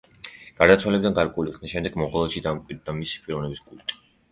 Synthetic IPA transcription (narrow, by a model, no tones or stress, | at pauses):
ɡ̥aɾd̪at̪sʰwalɛbid̪anɡaɾkʼɛuliχnaʃɛmd̪ɛɡmɔʁɔlˠɛʃid̪amkʼwid̪d̪̚d̪amisi̥pʼiɾɔvnɛbiskʼult̪ʼi̥